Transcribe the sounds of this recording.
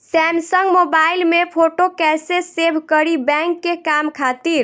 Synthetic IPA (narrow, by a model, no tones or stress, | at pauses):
sɛmsəŋɡmobailmepʰoʈokɛsesebʱkəɾibɛ̃ŋkːekamkʰat̪iɾ